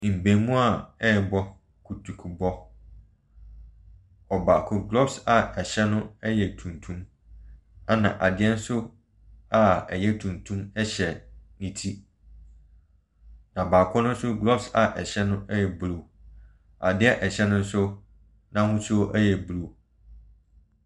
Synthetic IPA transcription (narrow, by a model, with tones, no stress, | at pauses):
m̩˨bẽ˨mũ˦a˨ɛ˦˨bɔ˦ | kʰu˨tʰu˨kʰu˨bɔ˦ | ɔ˨ba˨kʰʊ̃˦ɡlɔ˦bsa˨ɛ˨ɕɛ˦nʊ̃˦ɛ˦jɛ˨tʰũ˨ntʰũ˦m | a˨nã˨ʔa˨dɪ˦ɛ˦n̩˦sʊ˦ | a˨ɛ˨jɛ˦tʰũ˨ntʰũ˦mɛ˦ɕɛ˨nĩ˨tʰi˦ | nã˨baː˨kʰɔ˦nʊ̃˦n̩˦sʊ˦ɡlɔ˦bsa˨ʔɛ˨ɕɛ˦nʊ̃˦ɛ˦jɛ˨bɾo˨ | a̰˨dɪ˦ɛ˦ʔɛ˨ɕɛ˦nʊ̃˦n̩˦sʊ˦ | nã˦hʊ̃˦sʊ˦ʔɛ˦jɛ˨bu˨ɾo˨